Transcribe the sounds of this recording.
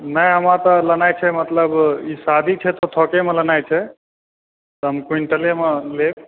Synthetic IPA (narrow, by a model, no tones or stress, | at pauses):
nəjɦəmat̪ɔlənajt͡ʃʰɛmət̪ləbisad̪ʱit͡ʃʰɛt̪ɔt̪ʰɔkemelənajt͡ʃʰɛ | t̪ɔɦəmkuiɳʈəlemelek